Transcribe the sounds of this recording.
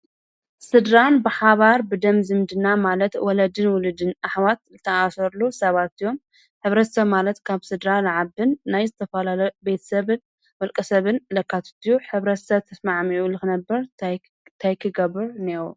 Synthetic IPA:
sɨd̪ɾanbɨħaβaɾbɨd̪ɐmzɨmd̪ɨnamalɐt̪wɔlɐd̪ɨnwʊlɨd̪ɨnaħwat̪̚zɨt̪ʰɐʔasɐɾlusɐβat̪ɨjom | ħɨβɾɐt̪sɐβmalɐt̪kʰaβsɨd̪ɾalaʕabɨnːajzɨt̪ʰɐfɐlalɐbe̞t̪ʰɐ̥sɐβɨn | mɐlkʼɐsɐβɨnlɐkʰːat̪ʰɨ̥t̪ʰijuħɨβɾɐt̪sɐβt̪ʰɐsmaʕmiʔulɨxɨnɐbːɐɾ | t̪ʰajkʰɨɡɐbɨɾneɾu

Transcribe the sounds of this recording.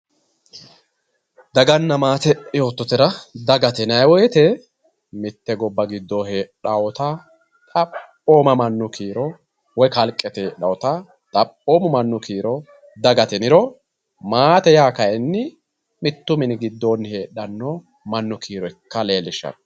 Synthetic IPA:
d̪ɐɡɐnːɐmaːt̪ɛɪjo̞ːt̪ːɔt̪ɪɾɐd̪ɐɡɐt̪ɛnɐjwɔjɛt̪ɛ | mɪt̪ːɛɡɔbːɐɡɪd̪ːoːɦeᶑɐwɔt̪ɐ | t̪ʼɐpː | oːmɐmɐnːʊkiːɾɔ | wɔjkɐlkʼːɛt̪eːɗɐwɔt̪ɐ | t̪ʼɐpːoːmʊmɐnːʊkiːɾɔ | d̪ɐɡɐt̪ɛnɪɾɔ | maːt̪ɛjaːkɐjɛnːɪ | mɪt̪ːʊmɪnɪɡɪd̪ːoːnhe̞ːɗɐnːo | mɐnːʊkʰiːɾɔɪkːɐle̞ːlːɪʃɐ̰n

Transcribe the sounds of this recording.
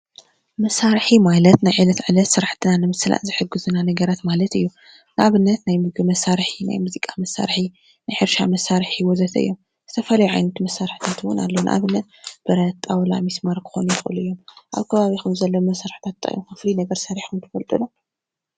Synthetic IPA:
mɐsaɾħimajlɐt̪najʕɨlɐt̪ʕɨlɐt̪sɨɾaħt̪ʰɨnanɨmɨsɨla̰ʔzɨħɨɡɨzɨnanɐɡɐɾat̪malɐt̪ɨjːu | nɨʔaβɨnːɐt̪najmɨɡɨmɐsaɾħina̰jmuzikʼamɐsːa̰ɾħi | najħɨɾʃamɐsːaɾħiwɔzɐt̪ʰɐʔɨ̰jːom | z̥ɨt̪ʰɐfɐlɐjuʕa̰jnɐt̪mɐsːaɾħt̪ʰat̪ʰɨwʊ̰na̰lːownɨ̰ʔa̰βɨnːɐt̪b̥ɨɾɐt̪ʼːawla̰mismaɾkʰɨ̥xo̰nujɪxʼɨ̰luɨjːo̞mʔa̰βkʰɐβaβixɨmzɐlːomɐsaɾħt̪ʰat̪ʰʼːa̰jomkɨflinɐɡɐɾsɐɾiħʰumt̪ʰɨ̥fɐlt̪ʼɨlo

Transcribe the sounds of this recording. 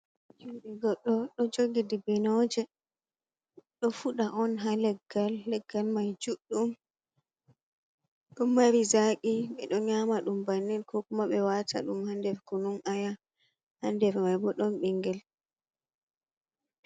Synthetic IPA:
d͡ʒuɗiɡɔɗːɔɗɔd͡ʒoɡidibinɔd͡ʒɛ | ɗɔfuɗaʔɔnɦalɛɡːalːɛɡːalmajd͡ʒuɗːum | ɗɔmːaɾizakiɓɛ̰ɗɔɲamaɗumbanːinkʰɔkumaɓɛwatʰa̰ɗumhandɛɾkununʔaja | handɛɾmajbɔɗɔnɓiŋɡɛl

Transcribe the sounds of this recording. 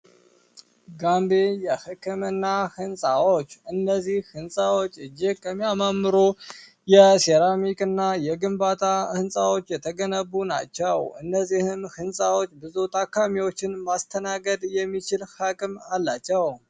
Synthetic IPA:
ɡambejɛhɨkʰːɨmɨnːahɨnsʼawot͡ʃːɨnːəzːihhɨnsʼawot͡ʃʼːɨd͡ʒekʼːəmːiamamːɨɾo | jɛsɛɾamikʼɨnːajɛɡɨmbat̪ʰahɨnsʼawo̞t͡ʃːjɛt̪ʰəɡənəbːuna̰t͡ʃːɛwɨnːəzːihɨnhɨnsʼawo̞t͡ʃːbɨzut̪ʼʰakːamiwo̞t͡ʃːɪnmast̪ʰənaɡəd̪jɛmːit͡ʃɪlhakʼɨmalːat͡ʃːɛw

